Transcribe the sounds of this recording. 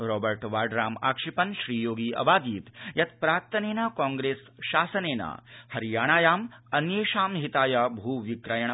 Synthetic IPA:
ɾoːbɐɾʈʋaːɖɾaːma̰ːkʂipɐnʃɾiːjoːɡiːɐ̰baːd̪iːt̪jɐt̪̚pɾaːk̚t̪ɐneːnakaːŋɡɾeːs | ʃaːsɐneːna̰ːhɐɾjaːɳ̃aːjaːmɐnjeːʃaːmɦit̪aːjɐbʱuːʋikɾɐjɐɳɐ

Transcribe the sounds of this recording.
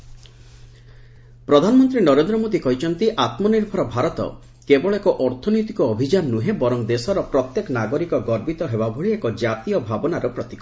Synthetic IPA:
pɾɔd̪ʱanɔmɔnt̪ɾinɔɾend̪ɾɔmod̪ikɔɦit͡ʃʰɔnt̪iʔat̪mɔniɾbʱɔɾɔbʱaɾɔt̪ɔ̰ | kebɔɭɔekɔʔɔɾt̪ʰɔnojt̪ikɔːbʱid͡ʒanːuɦebɔɾɔŋd̪esɔɾɔpɾɔt̪jekɔnaɡɔɾikɔɡɔɾbit̪ɔɦebabʱoɭiekɔd͡ʒat̪ijɔbʱabɔnaɾɔpɾɔt̪i̥kɔ

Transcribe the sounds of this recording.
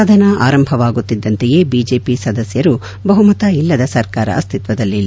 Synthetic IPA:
ad̪ʱɐnɐʔaːɾɐmbʱɐʋaːɡut̪ːid̪ːɐnt̪ɛjeːbiːd͡ʒe̞ːpisɐd̪ɐsjɐɾu | bɐɦumɐt̪ɐilːɐd̪ɐsɐɾkaːɾɐ̰ɐst̪ʰit̪ʋɐd̪ɐlːilː

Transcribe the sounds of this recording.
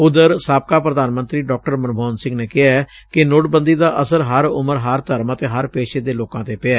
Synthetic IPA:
ʊd̪əɾsaːp̚kaːpɾəd̪aːnmə̃nt̪ɾiːɖɔːk̚ʈəɾmənbʱɔːnsɪ̃ŋɡneːkɪɦaːɛː | kɪnoːʈbə̃nd̪iːd̪aːʔəsəɾɦəɾʊ̰məɾɦəɾt̪əɾmãːt̪eːɦəɾpeːʃeːd̪eːloːkãːt̪eːpɪɛː

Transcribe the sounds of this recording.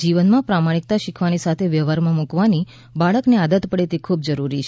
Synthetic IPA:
d͡ʒiʋənmãpɾamaɽ̃ik̚t̪aʃikʰʋanisat̪ʰeʋjəʋaɾmãmukʋani | baɭəknead̪ət̪pəɽet̪ekʰub̚d͡ʒəɾuɾit͡ʃʰ

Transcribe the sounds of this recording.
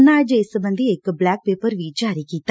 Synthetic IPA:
nːaːjd͡ʒɪsbə̃nd̪ʱiekblɛːk̚peːpəɾʋiːt͡ʃaːɾikiːt̪a

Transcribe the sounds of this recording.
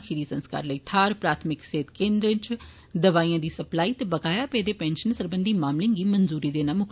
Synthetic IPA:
kʰiɾiːsənska̰ːɾləiːt̪ʰaːɾpɾaːt̪ʰmɪkseːt̪kẽːnd̪ɾət͡ʃ | d̪əʋaːiːãːd̪iːsəplaːiːt̪ebəɡaːjaːpɛːd̪eːpɛ̃ːnʃənsəɾbənd̪iːmaːmlĩŋɡiːmənzuːɾiːd̪eːnãːmʊk

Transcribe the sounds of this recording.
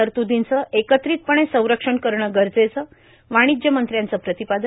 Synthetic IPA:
əɾt̪ud̪ʱint͡səʔekət̪ɾiːt̪̚pəɳ̃ẽsə̃w̃ɾəkʂəɳkəɾɳəɡəɾd͡zet͡sə | ʋaɽ̃id͡ʑ̪jəmənt̪ɾjãnt͡səpɾət̪ipad̪

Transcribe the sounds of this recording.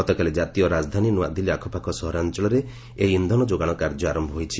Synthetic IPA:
ɔt̪ɔkaled͡ʒat̪ijɔɾad͡ʒd̪ʱaninua̰d̪iliakʰɔpakʰɔsɔɦɔɾant͡ʃɔɭɔɾe | eind̪ʱɔnɔd͡ʒoɡaɽ̃ɔkaɾd͡ʒɔaɾɔmbʱɔɦojt͡ʃʰi

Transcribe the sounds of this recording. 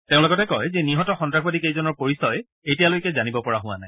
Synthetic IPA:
tẽʊ̃loɡɔtɛkɔjzɛniɦɔtɔxɔndɹaxbadikejzɔnɔɹpoɹisɔj | ejtijalojkɛzanibɔpɔɹaɦʊ̃wa̰naj

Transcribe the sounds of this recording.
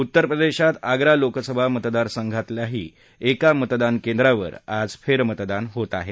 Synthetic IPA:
ut̪ːəɾpɾəd̪eɕat̪aɡɾalokəsəbʱamət̪d̪aɾsəŋɡʱat̪ljaɦḭː | ekamət̪d̪ankẽnd̪ɾaʋə̰ɾad͡zfeɾmət̪d̪anɦot̪aɦe

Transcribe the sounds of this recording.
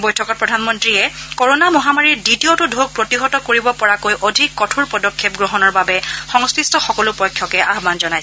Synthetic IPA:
bɔjtʰɔkɔt̚pɹɔdʱanmɔntɹiɛkɔɹonamɔɦamaɹiɹditiotʊdʱok̚pɹotiɦɔtɔkoɹibɔpɔɹakojʔodʱikːɔtʰuɹpɔdɔkʰːep̚ɡɹɔɦɔnɔɹbabɛxɔŋstɹistɔxɔkɔlʊpɔjkʰːjɔkɛʔaɦbanzɔnajs

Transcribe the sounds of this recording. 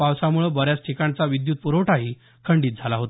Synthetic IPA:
awsamuɭəbəɾjat͡sʈʰikaɳt͡saʋid̪juːt̪̚puɾowʈaɦi | kʰəɳɖiːt̪̚d͡zʱalaɦot̪a

